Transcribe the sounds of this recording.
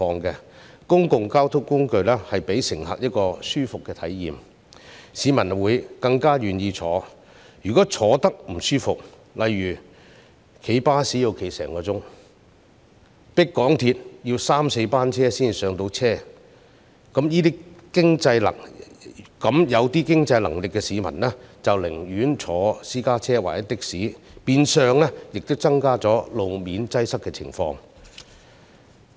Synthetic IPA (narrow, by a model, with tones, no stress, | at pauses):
fɔː˧ŋkɛ˧ | kʊ˥ŋkʊ˨ŋkaː˥wt̪ʰʊ˥kːʊ˥ŋkɵ˧ɥlɛː˥hɐ˨jpe˨˥jsɪ˨˩ŋhɐ̰ː˨k̚jɐ˥t̚kɔː˧syː˥fʊ˨kːɛː˧t̪ʰɐ˨˥jjiː˨m | siː˨˧mɐ˨˩nwuː˨˧jkɐ˧ŋkaː˥ɥyː˨njiː˧t͡ʃʰɔ̰ː˨˥ | jyː˨˩kɔː˨˥t͡ʃʰɔː˨˥t̪ɐ˥k̚m̩˨˩syː˥fʊ˨k̚ | lɐ˨jɥyː˨˩ | kʰe˨˩jpaː˥siː˨˥ji˨˧wkʰe˨˩jsɛ̰ː˨˩ŋkɔː˧t͡sʊ˥ŋ | pɪ˥kːɔː˨˥ŋt̪ʰiː˧t̚jiː˧wsaː˥mse˨˧jpaː˥nt͡sʰɛː˥siː˥nsœː˨˧ŋt̪o˧wt͡sʰɛː˥ | kɐ˨˥mjiː˥t̪iː˥kɪ˥ŋt͡sɐ˧jlɐ̰˨˩ŋ | kɐ˨˥mjɐ˨˧wt̪iː˥kɪ˥ŋt͡sɐ˧jlɐ˨˩ŋlɪ˨kːɛ˧siː˨˥mɐ̰˨˩nlɛː˦˥t͡sɐ˨wlɪ̰˨˩ŋjyː˨˥nt͡sʰɔː˨˧siː˥kaː˥t͡sʰɛː˥wa̰ː˨˩jɐ˥t̪ɪ˥k̚siː˨˥piː˧nsœː˨˧ŋlɛ˥jɪ˨k̚t̪ʊ˥wt͡sɐ˥ŋkaː˥t͡sɔː˨˥lo˨˧wmiː˨nt͡sɐ˥jsɐ˥kːɛː˧t͡sʰɪ̰˨˩ŋfɔ̰ː˧ŋ